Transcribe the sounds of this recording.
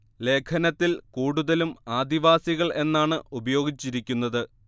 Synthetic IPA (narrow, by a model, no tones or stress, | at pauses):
le̞ːkʰɐnɐt̪ːilkuːɽuðɐlumaːd̪iʋaːsiɣɐɭʔe̞nːaːɳɨubɐjo̞ːɡit͡ɕːiɾikʲːunːɐðɨ